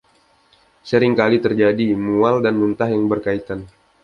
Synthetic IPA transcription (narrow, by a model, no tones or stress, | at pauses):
səɾɪŋkalit̪ərd͡ʒadimualdanmunt̪ahjaŋbərkait̪an